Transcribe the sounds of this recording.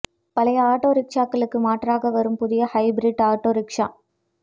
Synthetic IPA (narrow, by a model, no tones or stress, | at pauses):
pɐlɐjɐaːʈoːɾɪkʂaːkːɐɭɯkːɯmaːʈraːɣɐʋɐɾɯmpʊðɪjɐhɐɪbɪɾɪɖaːʈːoːɾɪkʂa̰ː